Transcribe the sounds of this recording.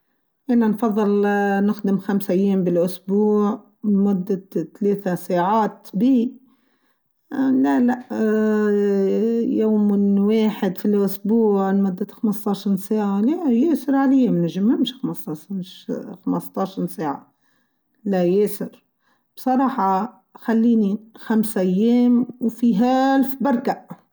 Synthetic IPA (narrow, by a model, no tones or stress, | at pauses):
ʔɪnːanfɑðˤːɨlnɪxd̪ɪmxamsʔajːeːmbɪlʔʊsbuːʕ | mʊd̪ːat̪aleːt̪asaːʕaːt̪biː | lalaʔ | joːmɪweːħɪd̪filʔʊsbuːʕmæd̪ːat̪xamɑst̪ˤɑːʃɑɾɾseːʕalajeːsɪɾʕalijːamnæʒɪmːɪmʃxamsɑmʃxamɑst̪ˤɑʃɑɾˤseːʕa̰ | lajeːsɪɾ | b̥sˤɑɾˤɑːħɑ | xalːiːnixamsʔajːeːmwfiɦalfbɑɾˤkaʔ